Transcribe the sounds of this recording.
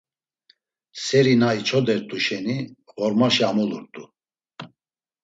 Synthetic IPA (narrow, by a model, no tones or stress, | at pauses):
sɛɾinait͡ʃʰɔd̪ɛɾt̪ʼuʃɛni | ʁɔɾmaʃiamuluɾt̪ʼu